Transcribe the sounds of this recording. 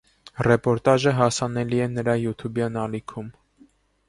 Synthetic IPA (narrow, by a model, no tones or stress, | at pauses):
rɛpɔɾt̪ɑʒəɦɑsɑnɛliɛnəɾɑjut̪ʰubjɑnɑlikʰum